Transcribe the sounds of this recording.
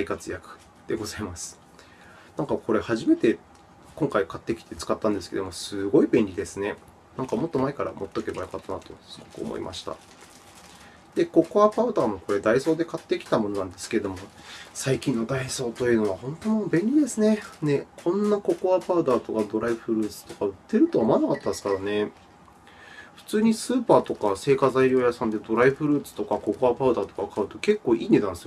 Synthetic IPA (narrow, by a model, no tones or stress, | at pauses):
aikat͡sɨjakɯ̟̥ | d̪̥e̞ɡo̞zaimasɨ̥ | nãŋkako̞ɾe̞haʑime̞t̪e̞ | kõ̞ŋkaikat̪ːe̞kʲi̥t̪e̞t͡sɨ̥kat̪ːãnd̪esɨ̥ke̞d̪omo̞sɨɡo̞ibẽ̞nʲɾʲid̪e̞sɨne̞ | nãŋkamo̞t̪ːo̞maekaɾa̰mʔo̞t̪ːo̞ke̞bajokat̪ːanat̪o̞sɨɡ̥o̞kɯ̟o̰mo̰ḭmʔa̰ɕi̥t̪a̰ | d̪̥e̞ko̞koapaɯ̟d̪aːmo̞ko̞ɾe̞d̪aiso̞ːd̪e̞kat̪ːe̞kʲi̥t̪amo̞no̞nãnd̪e̞sɨ̥keed̪o̞mo̞saikʲĩnːo̞d̪aiso̞ːt̪o̞jɯ̟ːno̞βahõ̞nt̪onobẽ̞nʲɾʲid̪e̞sɨne̞ne̞kʰõ̞nːako̞koapaɯ̟d̪aːt̪o̞kad̪o̞ɾaiɸɯ̟ɾɯ̟ːt͡sɨ̥t̪o̞kaɯ̟t̪ːe̞ɾɯ̟t̪oːmanakat̪ːad̪sɨ̥kaɾane̞ | ɸɯ̟̥t͡sɨːɲ̟isɨːpaːt̪o̞kase̞ːkazaiɾʲo̞ːjasãnd̪e̞d̪o̞ɾaiɸɯ̟ɾɯ̟ːt͡sɨ̥t̪o̞kako̞koapaɯ̟d̪aːt̪o̞̥kakaɯ̟t̪o̞ke̞kːo̞ːʔiːnet̪ãnsɨjo